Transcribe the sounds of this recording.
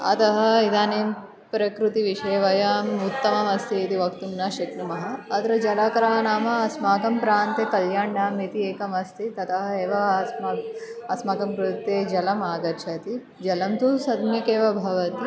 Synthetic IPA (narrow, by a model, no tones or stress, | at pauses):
ɐ̰t̪ɐɦɐ̆id̪aːneːm | pɾɐkɾut̪iʋiʂɐːʋɐjaːmut̪ːɐmɐmɐst̪ʰiːt̪iʋɐkt̪umnɐʃɐknumɐɦɐɐt̪ɐɾɐd͡ʒɐlaːkɐɾaːnaːmɐɐsmaːkɐmpɾaːnt̪eːkɐljaːɳɖaːmit̪ieːkɐmɐst̪ʰit̪ɐt̪ɐɦɐeːʋɐsmaɐsmaːkɐmkɾut̪ːeːd͡ʒɐlɐmaːɡɐɾt͡ʃʰɐt̪i | d͡ʒɐlɐmt̪usɐd̪mjɐkeːʋɐbʱɐʋɐt̪i